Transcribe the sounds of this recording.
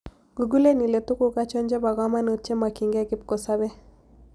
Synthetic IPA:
ɡ̥u˨ɡu˦le˦ni˨le˨t̪u˦ku˦ka˦t͡ʃɔ˦ɲd͡ʒe˦ba˨ɡa˦ma˦no˨t͡ʃe˦ma˨ki˨ŋɡɛ˦ɡɪ˦p̚ko˨sa˦βɛ˦

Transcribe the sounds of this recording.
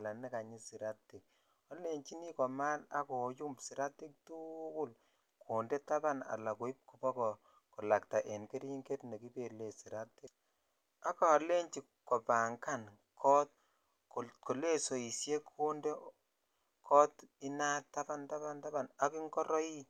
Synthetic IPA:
la˨nɛ˦ka˨ɲi˦si˨ɾa˦ti˨k̚ | ɔ˦le˦ɲt͡ʃi˦ni˦kɔ˨ma˦na̰˦kɔ˨ju˦mbsi˨ɾa˦ti˦k̚tu˦ku˦l | kʰo˨nde˦ta˦ba˦na̰˨la˨ko˨˦i˦p̚ku˨bɔ˦kɔ˨ | kɔ˨la˨k̚ta˨ʔe˨nke˦ɾi˦ŋɡe˦tne˨ki˦pe˨le˨si˨ɾa˦tːe˦ | a˦kaː˨le˦ɲt͡ʃi˨kkːɔ˨pa˨ŋka˦n | kʰɔ˦t̚ | kko˨le˦so˨i˨sje˦kʰo˦nde˦ | kʰɔ˦ti˦na˦tːa˦ba˦nta˦ba˦nta˦ba˦˨na˦ki˦ŋkɔ˦ɾɔ˦i˦

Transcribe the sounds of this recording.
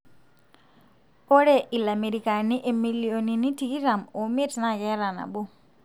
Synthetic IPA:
o˦ɽe˦ʔi˨la˨me˨ɾi˨ka˨ni˦ʔe˨mi˨li˨o˨ni˨ni˦ti˨ki˦ɾa˨mo˨me˦tna˦˨ɡɛ˦ɾa˨na̰˨bu˦

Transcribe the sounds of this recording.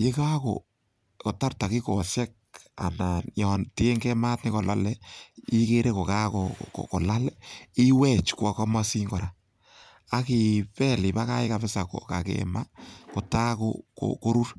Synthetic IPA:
je˦ka˦ko̰˨ | ko˨ta˦rta˨ki˦ko˨sɛ˦k̚a̰˨na˨jɔ˨nti˦e˦ŋɡɛ˦ma˦tnɪ˦ko˨la˦lɛ˦i˦ke˦ɾe˦ko˨ka˦ko̰˨kko˨la˦lɛ˦i˦wɛ˦t͡ʃkwa˨ka˦ma˦si˦ŋɡɔ˨ɾa˨ | a˦ki˨pɛ˦li˨pa˦ka˦e˦ka˨fɪ˦sa˨ko̰˨ka˨kḛma˦ko˨ta˦ko̰ko̰ko˦ɾu˦r

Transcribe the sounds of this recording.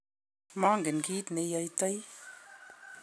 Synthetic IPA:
maː˦ŋɡə˨nki˦t̪ne˧jə˧jt̪ə˦j

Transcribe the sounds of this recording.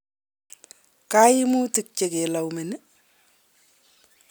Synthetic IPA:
ka˦ji˦mu˦ti˨k̚t͡ʃe˨ke˨la˨wme˨ni˦

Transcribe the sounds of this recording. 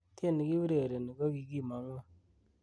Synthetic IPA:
te˦˨ni˨ki˦wɾe˨ɾe˨ni˨kɔ˦ki˨ɡi˦˨ma˨˦ŋo˦˨

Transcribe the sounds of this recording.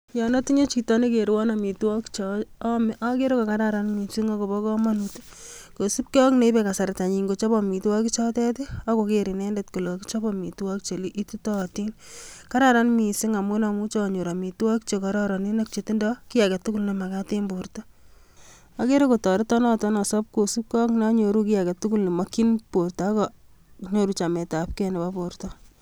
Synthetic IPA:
jɔnɔ˦ti˦ɲe˦t͡ʃi˨tɔ˦ni˦keɾwɔ˦nami˨twɔ˦kt͡ʃɔmʔake˦ɾo˦ko˨ka˦ɾaɾanmi˨siŋako˨bɔ˦kɔ˦ma˦nuti̥ | ko˨su˦p̚ke˦ɔ˦kne˨i˦beka˨sa˨ɾta˨ɲi˨ŋɡo˨t͡ʃɔ˦bɔmi˨twɔ˦ki˦t͡ʃɔ˦tɛtia˦kokeɾi˨nɛndetko˨lo˨ki̥t͡ʃɔ˦bɔmi˨twɔ˦kt͡ʃe˨li˦ʔi˦ti˦tɔti˦nka˦ɾa˨ɾa˦nmi˨sɪ˦ŋa˨mo˦na˨mu˦t͡ʃɔ˦ɲo˨ɾa˨mi˨twɔ˦kt͡ʃe˨kɔ˦ɾɔɾɔ˨ni˦nak̚t͡ʃe˨ti˦ndɔki˦ja˨kɛ˨tu˦ku˦lni˨ma˨kate˦mbortɔ | a˦ke˦ɾe˦ko˨tɔ˨ɾɪ˦tɔ˦nɔ˦tɔ˦nɔ˨sɔ˦p̚ko˨su˦p̚kɔ˦kna˦ɲo˨ɾu˦kɪ˦ja˨kɛ˨tu˦ku˦lne˨ma˦kinporta˦kɔ | ɲo˨ɾu˨t͡ʃa˨mɛ˨ta˨p̚kɛne˨ba˦portɔ

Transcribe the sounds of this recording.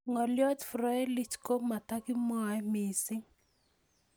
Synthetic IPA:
ŋɔ˨ljɔ˦t̪fɾɔ˨ɛ˦lɪ˦t͡ʃko˦ma˨ta˦kɪ˦mɔ˦˨ɛ˦mi˨sɪ˦ŋ

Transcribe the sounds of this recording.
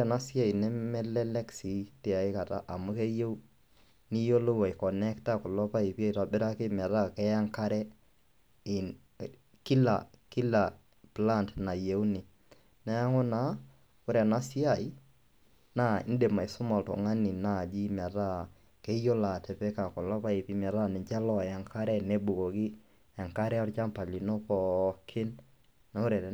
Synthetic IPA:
a˨na˦si˦a˦i˨nɛ˦mɛ˦lɛ˦lɛ˦ksi˨˦te˨a˨ɪ˦ka˨ta̰˦ʔa˨mʊ˦ke˦je˦ | ni˦jo˦lo˦wa˨i˨kɔ˨nɛ˦kta˦kʊ˨lɔ˦pa˦i˨pa˦i˨ta˨bɪ˦ɾa˦kɪ˦mɛ˨ɾa˦kɛ˦ja˦ŋka˦ɾɛ˦ | ɪ˨n | ki˦la̰˨ki˦la˨ | pla˦˨ntna˨je˨wni˨ | na˦a˦ŋʊ˦na˨˦ | ʊ˦ɾɛ˨na˦si˦a˨i˦ | na˦ɪ̰˦nde˨ma˨i˨sʊ˦mɔ˨ltɔ̰˨ŋa˦ni˨na˦˨d͡ʒi˦mɛ˨ɾa˦ | ke˦jo˦la˨tɛ˨pɛ˦ka˨kɔ˨lɔ˦pa˦i˨pi˦mɛ˨ɾa˦˨nɪ˨ɲt͡ʃa˦lɔ˦˨ja˨ŋkʰa˦ɾɛ˦˨ne˦bu˨kɔ˨kɪ˦ | a˨ŋka˦ɾɛ˦ɔ˦ɾt͡ʃa˦mpa˨li˨nɔ˦pɔ˨kʰɪ˦n | na˨o˦ɾɛ˨

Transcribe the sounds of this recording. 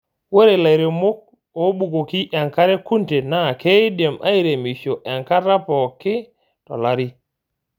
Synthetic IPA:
we˦ɾe˨la˨jɾe˨mʊ˦k̚ | o˨˦bu˨ɡo˨ki˦ʔɛ˨ŋka˦ɾe˦ku˦nte˨na˦˨ke˦i˦de˨mʔa̰˦i˦ɾe˨mi˨ʃo˨ʔɛ˨ŋka˦ɾa˦pɔ˨kɪ˦ | tɔ̰˨la˦ɾi˦

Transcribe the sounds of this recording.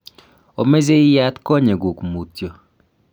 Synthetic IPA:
o˨me˦ze˦ja˦t̪kɔ˦ɲe˨ɡu˨kmu˨tjo˨

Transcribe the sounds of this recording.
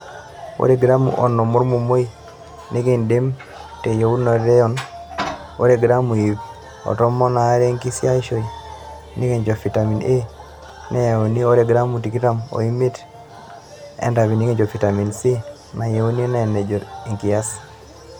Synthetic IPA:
o̰˦ɾe˦˨ɡɾa˦mṵ˨ʔɔ̰˨nɔ˨mu˦ɾmo˨mo˦i˦ | ne˦ke˦˨nde˦m | te˨jo˨u˦nɔ˨ɾɛ˦ɔ˦n | o˦ɾe˨ɡɾa˦mu˨i˨p | ɔ̰˨tɔ˦mɔ˦na˨˦ɾɛ˦ŋki˦si˦a˦ʃo˨i˨ | nʔi˦ke˦˨ɲd͡ʒɔ˨fi˨ta˨mi˨ne˦ | na˦ja˨o˨ni˦o˦ɾe˨ɡɾa˦mu˨ti˨ki˦ta˦mo̰˨i˦mi˦t | ɛ̰˦nda˨βi˨ni˦ke˦ɲd͡ʒɔ˨fi˨ta˨mi˨nsi˦ | na˨ja˨o˦ni˦na˦ɛ˨nɛ˨d͡ʒɔ˨ɾi˨ŋki˨ja˦s

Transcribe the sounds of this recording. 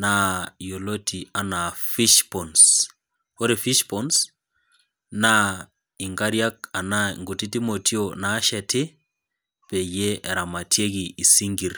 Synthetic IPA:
na˦jo˨lo˦tʰi˨a˨na˨fi˦ʃpɔ˨ns | ho˦ɾi˨fi˦ʃpɔns | na˦ | i˨ŋɡa˦ɾja˦ka˨na˦ŋɡu˨ti˦ti˦mo˨tʰi˦ona˨˦ʃa˨tʰe˦ | pe˨je˦ʔɾa˨ma˨tje˦ɣiː˨si˦ŋɡi˨ɾ

